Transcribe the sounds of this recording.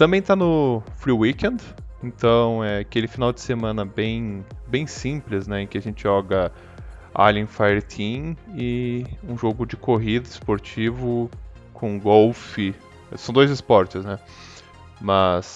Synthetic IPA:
t̪ɐ̃mbẽj̃t̪anʊfɾiwikẽnd̪ẽnt̪ɐ̃w̃ɛakelɪfinawd͡ʒ̪ɪ̥semɐ̃nɐbẽj̃bẽj̃sĩplɪznɛẽkɪaʒẽnt͡ʃɪʒɔɡɐ | a̰lĩfajeɾt̪ʰĩɪũʒoɡʊd͡ʒɪkoɦid̪ɐɪspoɾt͡ʃivʊkʰõɡowfɪ | sɐ̃w̃d̪ojzɪspɔɾt͡ʃɪznɛ | mɐs

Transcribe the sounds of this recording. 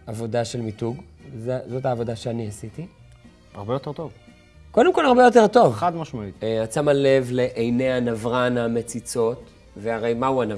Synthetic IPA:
avo̞daʃe̞lmituɡ | zezo̞taːvo̞daʃeaniasit̪i | aʁbejot̪e̞t̪ov | ko̞demkolaʁbejo̞t̬eʁto̞vad̪maʃmaiat͡samale̞vle̞ʔejneanavʁaname̞t͡sit͡so̞t | veaʁejmauana

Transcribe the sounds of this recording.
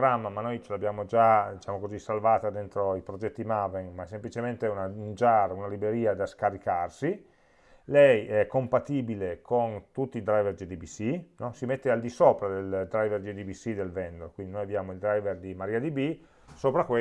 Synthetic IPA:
ɾamːamanːojt͡ʃelabjaːmod͡ʒad̪it͡ʃaːmokozisalvaːt̪ad̪ent̪ɾoipɾod͡ʒɛt̪ːimaveŋmaɛs̬emplit͡ʃement̪eunaund͡ʒaɾunalibɾeɾiːad̪askaɾikarsi | lɛjɛɛkːompat̪iːbilekʰont̪ut̪ːild̪ɾajverd̪id̪ibisinɔsimet̪ːeald̪isoːpɾad̪eld̪ɾajverd͡ʒ̪ed̪ibisid̪elvɛnd̪oɾkwind̪inojabjaːmoild̪ɾajverd̪imaɾiːad̪ibi | soːpɾakwe

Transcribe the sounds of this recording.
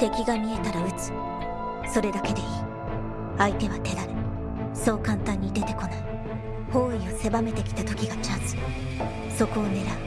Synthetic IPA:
t̪e̞kʲiɡamʲie̞t̪aɾaɯ̟t͡sɨ̥ | so̞ɾe̞d̪ake̞d̪e̞iː | ait̪e̞βat̪e̞d̪aɾɯ̟ | so̞ːkãnt̪ãɲ̟ːid̪e̞t̪e̞ko̞nai | ho̞ːio̞se̞bame̞t̪e̞kʲi̥t̪at̪o̞kʲiɡat͡ɕazɨ̥ | so̞koːne̞ɾa

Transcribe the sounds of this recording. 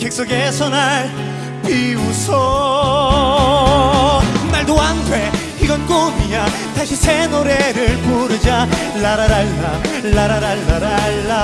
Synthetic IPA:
kek̚s͈oɡesʰʌnaɭ | piusʰʌ | onːaɭdoantʰwe | iɡʌnk͈omiɲa | taɕʰisʰenoɾeɾɯɭpuɾɯd͡ʑa | laɾaɾaɭːaɭːaɾaɾaɭːaɾaɭːa

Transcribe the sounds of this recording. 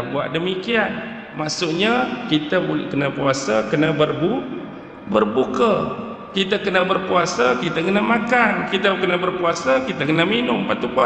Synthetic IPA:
buaʔdəmikian | maʔsuʔɲakit̪əbulkənəpuasakənəbərbu | bərbukə | kit̪əkənəbərpuasakit̪əkənəmakankit̪əkənabərpuasakit̪əkənəminʊmpat̪upua

